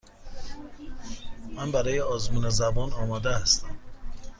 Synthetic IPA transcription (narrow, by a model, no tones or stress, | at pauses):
mænbæɾɒːjeɒːzmuːnezæbɒːnɒːmɒːd̪ehæst̪æm